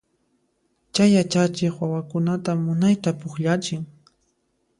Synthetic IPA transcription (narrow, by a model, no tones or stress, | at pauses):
t͡ʃajat͡ʃat͡ʃɪχwawakʊnat̪amːʊnajt̪apʊχʎat͡ʃɪŋ